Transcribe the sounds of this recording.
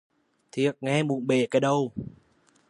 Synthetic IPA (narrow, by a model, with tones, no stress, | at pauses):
t̪ʰi˨ət̚ŋɛ˧mu˨˩ənɓe˨˩kaː˨˦jɗə˧w